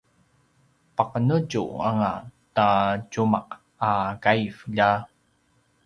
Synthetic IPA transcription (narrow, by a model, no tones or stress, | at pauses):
paqənəɟṵa̰ŋataɟumaq | akajfʎa